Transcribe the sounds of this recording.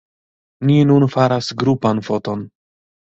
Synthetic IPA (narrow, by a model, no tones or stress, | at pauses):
ninunfaɾasɡɾupanfo̞to̞n